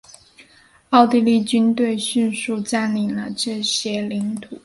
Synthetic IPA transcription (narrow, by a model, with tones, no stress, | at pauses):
ɑ˥˧ʊt̪i˥˧li˥˩t͡ɕy˥nt̪we˥˧ɪɕy˥˧nʂu˥˧t͡sa˥˩nli˨˩nlə˧ʈ͡ʂɤ˥˩ɕjɛ˥li˧˥nt̪ʰu˨˩˦